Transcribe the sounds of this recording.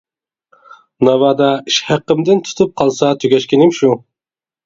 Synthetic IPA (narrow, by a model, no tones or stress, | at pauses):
nɑvɑd̪ɑiʃhæqːəmd̪ɪnt̪ʰu̥t̪ʰup̚qʰɑlˠsɑt̪ʰøɡʲɛʃkʲinɪmʃu